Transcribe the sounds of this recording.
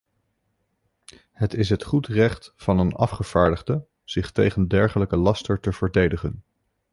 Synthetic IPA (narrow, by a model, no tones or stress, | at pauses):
hətɪs̬ɦətχutrɛχtfɑnənɑ̰fχəv̥aːɹdəχdə | z̥ɪχtejχəndɛɹχələkəlɑstəɹtəv̥əɹdejdəχən